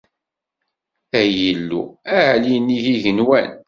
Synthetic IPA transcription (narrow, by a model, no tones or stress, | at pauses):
æjəlːṵæʕliniʝiʝənwæn